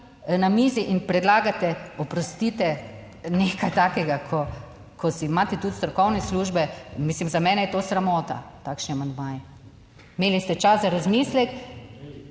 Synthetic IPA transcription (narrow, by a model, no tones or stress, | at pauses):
namiːziʔinpɾɛd̪laːɡat̪ɛɔpɾɔst̪iːt̪ɛ | nekajt̪aːkɛɡakʰɔ | kʰɔsimaːt̪ɛt̪ut̪st̪ɾɔkɔwnɛsluʒbɛmislimzamɛːnɛjɛt̪oːsɾamɔːt̪a̰t̪aːkʃniamand̪maːjɛ | meːlist̪ɛt͡ʃaszaɾazmiːslɛk